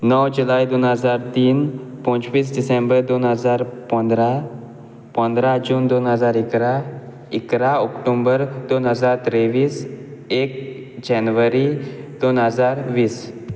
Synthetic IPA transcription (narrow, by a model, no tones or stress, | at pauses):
nəwd͡ʑulajd̪onɦəd͡zaɾt̪iːnpɔ̃t͡ɕʋiːsɖisẽmbəɾd̪onɦəd͡zaɾpə̃nd̪ɾa | pə̃nd̪ɾad͡ʑuːnd̪onɦəd͡zaɾikɾa | ikɾaɔkʈombəɾd̪onɦəd͡zaɾt̪ɾeʋiːsek̚ | d͡ʑɛnʋəɾid̪̥onɦəd͡zaɾʋiːs